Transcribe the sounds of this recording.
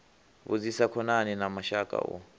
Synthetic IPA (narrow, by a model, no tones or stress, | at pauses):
βṵd͡zisakʰɔnaninamaʃakʼa̰ʔɔ̰